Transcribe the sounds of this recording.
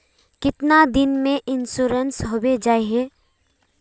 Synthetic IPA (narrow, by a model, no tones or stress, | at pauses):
kɪt̪nad̪ɪnmẽʔɪnʃuɾənsɦoːbed͡ʒaːeɦɛː